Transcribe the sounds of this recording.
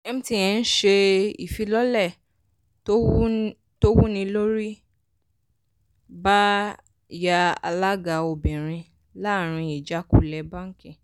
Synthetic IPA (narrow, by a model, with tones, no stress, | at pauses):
e˧mĩ˦ti˦˨j̃ɛ̃˨˧n̩˦ʃe˧i˨fi˧lɔ˦lɛ˦˨ | to˦ | to˦wu˦nĩ˧lo˦ɾi˦ | ba˦ | ja˧a̰˧la˦ɡa˧˨o˨bĩ˨ɾ̃ĩ˧ | la˦˨ɾ̃ĩ˧i˨d͡ʒa˨˦ku˦˧lɛ˧ba˦ŋ̩˦kĩ˦˨